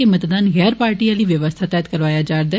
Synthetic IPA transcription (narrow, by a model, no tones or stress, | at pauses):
emət̪d̪aːnɣɛːɾpaːɾʈiːaːliːʋjəʋəst̪ʰaːt̪ɛːd̪kəɾʋaːjaːd͡ʒaːɾd̪aː